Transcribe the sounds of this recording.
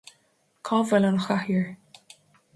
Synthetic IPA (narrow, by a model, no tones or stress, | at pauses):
kʰɔːvɛlɔnəxahjəɹ